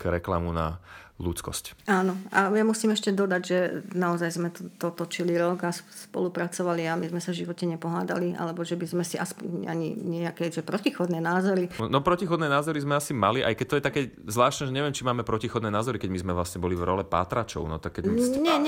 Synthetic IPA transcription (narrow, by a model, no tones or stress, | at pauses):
kɾɛklamuna̰lut͡skɔ̰scaːnɔajamusiːmɛʃcɛd̪ɔd̪aɟʒɛnaɔzajzmɛt̪ɔt̪ɔt̪ɔt͡ʃiliɾɔɡasspɔ̰lupɾat͡sɔʋaliamizmɛsavʒiʋɔcɛɲɛpɔɦaːd̪a̰liʔa̰lɛbɔʒɛbizmɛsiʔaspɔɲa̰ɲḭɲɪɛjakɛʒɛpɾɔcixɔd̪nɛːnaːzɔɾinɔpɾɔcixɔd̪nɛːnaːzɔɾizmɛasimaliʔa̰jkɛc̚t̪ɔjɛt̪akɛ | zʋlaːʃt̪nɛʒɛɲɛʋɪɛmt͡ʃimaːmɛpɾɔcixɔd̪nɛːnaːzɔɾikɛɟmizmɛʋlasɲɛbɔlivɾɔlɛpa̰ːt̪ɾat͡ʃɔ̰ʊnɔ̰t̪akːɛɟɲɛɲ